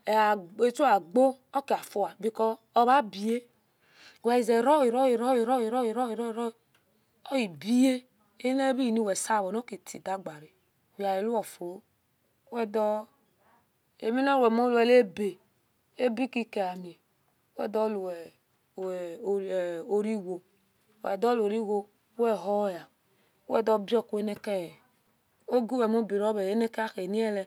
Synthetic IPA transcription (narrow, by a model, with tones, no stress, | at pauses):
e˨a˨e˨t͡ʃu˦a˨ɡ͡bo˦ɔ˦ke˨a˨fo˨wa˨bi˦kɔː˦ | βa˦bi˨je˦˨ | wɛ˨i˨zɛ˨ɾɔ˦i˨ɾɔ˦ji˨ɾɔ˦ji˨ɾɔ˦ji˨ɾɔ˦ji˨ɾɔ˦i˨ɾɔ˦i˨ɾɔ˦i˨ | ɔ˦i˨bi˦je˦ | e˦ne˦bi˦i˨ni˦wɛ˨sa˦˨βɔ˨no˦ke˨tḭ˨da˦ɡ͡ba˨ɾi˨ | wja˨je˨lu˦ɔ˨fo˨˦ | ɛ˦dɔ˦ | e˨mi˦nɔ˦ɾwɛ˨mo˦lu˨ɛ˨le˦be˨ | e˦bi˦ki˦ke˨a˨mi˨e˨˦ | wɛ̰˦˨dɔ˦lu˨ | o˦ɾi˦wo˨ | wɛ̰˨dɔ˦lo˨ɾi˦wo˦ | wɛ˦˨ɦɔ˦ja˨˦ | wɛ̰˦˨dɔ˦bi˦ɔ˦˨ku˨˦e˦ne˦kɛ˦˨ | o˦ɡu˦wɛ˨m˦o˦bi˨ɾɔ˦be˨e˦ne˦ke˦a˦xe˨ni˦ɛ˦lɛ˨